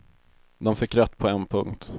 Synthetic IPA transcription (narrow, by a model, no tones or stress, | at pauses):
d̪ɔmfɪkːɾɛt̪ːpʰɔɛnpʰɵŋkt̪